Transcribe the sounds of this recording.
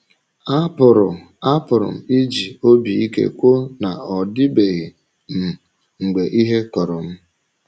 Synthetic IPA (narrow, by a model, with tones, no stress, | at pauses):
a˦pʊ˨ɾʊ˨ | a˦pʊ˨ɾʊ̰˨m̩˨i˦d͡ʒi˨o˦bi˨i˦kḛ˦kʷo˦na˨ɔ˨dɪ˦be˨ɣi˨ | m̩˨ | ŋ̩˨ɡ͡be˨ʔi˦ɦe˦kɔ˨ɾɔ˨m̩˦